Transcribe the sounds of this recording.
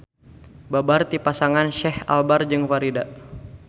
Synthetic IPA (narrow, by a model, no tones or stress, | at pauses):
babart̪ipasaŋanʃɛha̰lbard͡ʒɨŋfaɾida